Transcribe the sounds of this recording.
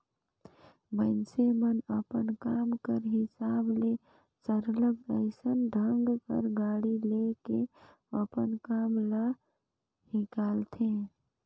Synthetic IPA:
mənsemənəpənkamkəɾɦɪsable | t͡ʃəɾləɡ̚əɪsənɖʱəŋɡkə̰ɾɡaːɽileke | əpənkamlə | hikaːlt̪ʰe

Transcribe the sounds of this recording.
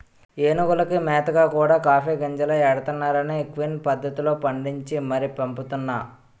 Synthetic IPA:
eːnuɡɐlɐkimɛːt̪ɐɡaːkuːɽaːkaːpʰeːɡɐɲd͡ʒɐlɐjɛɽɐt̪unːaːɾɐneːkʋinpɐd̪ʱːɐt̪ilo̞ːpɐɳɖiɲt͡ʃimɐɾipɐmput̪unːaː

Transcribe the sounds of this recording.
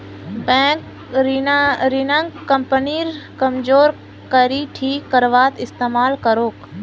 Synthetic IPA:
bɛ̃ːk | ɾɾinəŋɡkːəmpəniːɾkɐmd͡ʒoːɾ | kəɾiʈʰiːkːəɾʋaːt̪ɪst̪eːmaːlkəɾoːk

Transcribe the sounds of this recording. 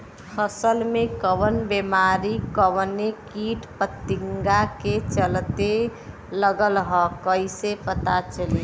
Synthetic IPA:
pʰəsəlmẽkəʋənbemaɾikəwnekiʈpət̪ːiŋɡaket͡ʃəlt̪e | ləɡəlɦɔkəisepət̪at͡ʃəli

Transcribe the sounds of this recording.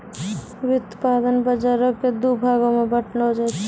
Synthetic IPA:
wut̪pad̪ənbəd͡ʒaɾəkːed̪ubʱaɡomebəʈʰnod͡ʒat͡ʃʰ

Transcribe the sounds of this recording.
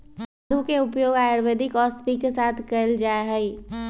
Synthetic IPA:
d̪ʱukeʊpjoːɡaːjəɾʋed̪ɪkɔːɾst̪ikesaːt̪ʰkəld͡ʒaːeɦɛi

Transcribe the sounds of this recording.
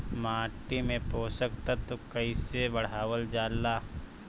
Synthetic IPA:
maːʈimẽpoːsəkt̪ət̪okəisebəɽ̤aːʋəld͡ʒaːlːaː

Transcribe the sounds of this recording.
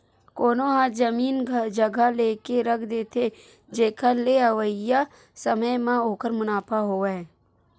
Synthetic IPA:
koːnoɦãzəmiːnd͡ʒəɡʱaleːkeɾəkʰd̪eːt̪ʰe | d͡ʒeːkʰaleəʋəja | səməjmãoːkəɾmʊnaːpʰaɦoːɛː

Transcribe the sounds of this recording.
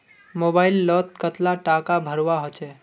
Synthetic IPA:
mobailːɔt̪̚kət̪laʈakabʱəɾʋaɦot͡ʃɛ

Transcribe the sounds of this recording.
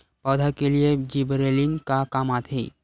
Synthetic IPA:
pəd̪ʱakelijed͡ʒibɾelinkakamat̪ʰɦe

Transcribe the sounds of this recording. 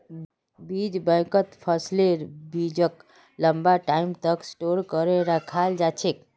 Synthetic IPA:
biːd͡ʒbə̃jkət̪pʰəsleɾbid͡ʒək | ləmbaʈaːɪmt̪əksʈoɾkəɾeɾakʰald͡ʒat͡ʃʰek

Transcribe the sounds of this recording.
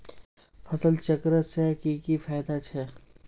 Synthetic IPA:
fɐsəlt͡ʃɐkɾəsɛkikifaːjd̪at͡ʃʰɛː

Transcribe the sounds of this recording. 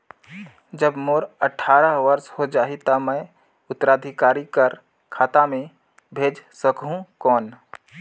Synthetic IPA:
d͡ʒəbmoːɾəʈʰaːɾəɦʋəɾshod͡ʒaːɦit̪əmə̃j | ʊt̪ːəɾaːd̪ʱikaːɾikəɾ | kʰaːt̪amẽ | bʱeːd͡ʒsəkɦũkɔːn

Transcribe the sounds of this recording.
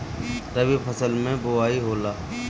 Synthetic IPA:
t̪əbipʰəsəlmẽboaːiɦoːlaː

